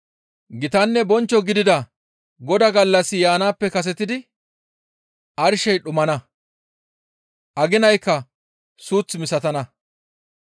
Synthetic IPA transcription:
ɡɪt̪ɐnːɛbɔnt͡ʃːɔɡɪd̪ɪd̪ɐ | ɡɔd̪ɐɡɐlːɐsɪjaːnaːpːɛkɐs̬ɛt̪ɪd̪ɪ | ʔɐɾʃɛjɗʊmɐnɐ | ʔɐɡɪnɐjkːɐ | suːt͡smɪsɐt̪ɐnɐ

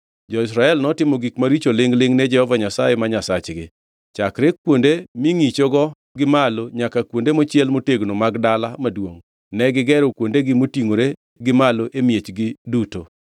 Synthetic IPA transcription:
d͡ʒɔɪs̬ɾaɛlnɔtɪmoɡikmaɾit͡ʃolɪŋlɪŋnɛd͡ʒɛhɔvaɲasajemaɲasat͡ʃɡɪ | t͡ʃakɾek̚wondemɪŋit͡ʃoɡɔ | ɡɪmaloɲakakwondemot͡ʃɪɛlmoteɡnomaɡdalamadwoŋ | nɛɡɪɡɛɾokwondeɡɪmotiŋoɾe | ɡɪmaloʔemjet͡ʃɡɪduto

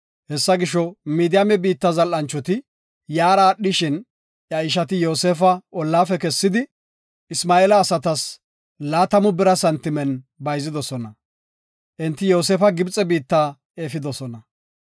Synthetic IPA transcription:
hɛsːɐɡɪʃɔmiːd̪ɪjɐmɛbiːt̪ːɐzɐlʔɐnt͡ʃːɔt̪ɪ | jaːɾaːɗɪʃɪn | ʔjɐɪʃ̬ɐt̪ɪjo̞ːseːfɐʔɔlːaːfɛkɛsːɪd̪ɪ | ɪsmaːeːlɐːsɐt̪ɐs | laːt̪ɐmʊbɪɾɐsɐnt̪ːɪmɛnbɐjzɪd̪ɔsɔnɐ | ʔɪnt̪ːɪjo̞ːseːfɐɡɪbt͡sʼɛbiːt̪ːaː | eːfɪd̪ɔsɔnɐ

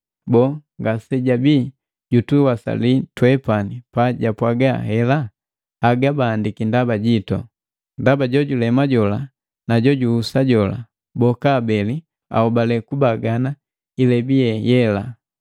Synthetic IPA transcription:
bɔŋɡasɛɟabi | ɟutuwasa̰litwɛpanipaɟapwaɡahɛla | aɡabaːndikindabaɟitɔ̰ | ndabaɟɔɟulɛmaɟɔla | naɟɔɟuusaɟɔla̰ | bɔkaːbɛli | a̰ɔbalɛkubaɡana | ilɛbiɛjɛla

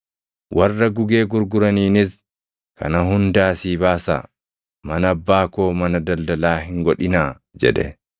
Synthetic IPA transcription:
wʔɐrːɐɡʊɡe̞ːɡʊɾɡʊɾɐniːnɪs | kʰɐ̰nɐɦʊnd̪aːsiːbaːsa̰ː | mɐnɐɐbːaːkoːmɐnɐd̪ɐld̪ɐlaːhɪŋɡɔᶑɪnaː | d͡ʒɛ̰ᶑɛ̰

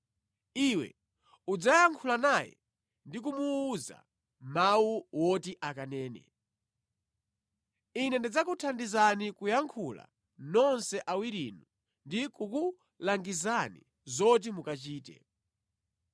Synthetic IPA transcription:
iːwɛ̰ | ud͡zajaŋkʰulanajɛ̰ | ndik̬umuːza̰ | mawuwɔtiʔakanɛːnɛ̰ | inɛndid͡zakutʰandizanikujaŋkʰula̰ | nɔnsɛʔawiɾḭnu | ndikuku | laŋɡizanḭ | zɔt̬imukat͡ʃiːtɛ̰

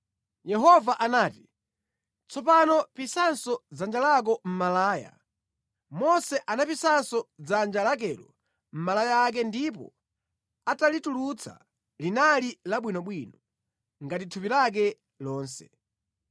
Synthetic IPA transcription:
jɛɦɔvaʔanaːti | t͡sɔpanɔpisansɔd͡zand͡ʒalak̬ɔm̩malaːja̰ | mɔsɛʔanapisansɔd͡zand͡ʒalak̬ɛlɔ | m̩malajaːk̬ɛndipɔ̰ | atalitulut͡sʰa̰ | linalilaɓwinɔɓwinɔ | ŋɡatitʰupilak̬ɛ | lɔːnsɛ

